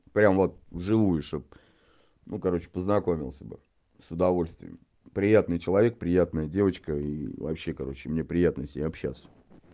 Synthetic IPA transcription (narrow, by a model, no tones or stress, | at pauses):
pɾʲamvo̞t̪̚vʐɨvujʊʂt̪op̚ | nʔukɐɾo̞t͡ɕɪ̥pəznɐko̞mʲɪlˠsʲəbɨ̰ | sʊd̪ɐvo̞lʲsʲt̪vʲɪ̰jə̰m | pɾʲɪjat̪nɨjt͡ɕɪlˠɐvʲe̞k̚pɾʲɪjat̪nəjədʲe̞vət͡ɕkəivɐ̰pɕːe̞kɐɾo̞t͡ɕːɪmnʲe̞pɾʲɪjat̪nəsʲɪɐpɕːa̰sʲə̥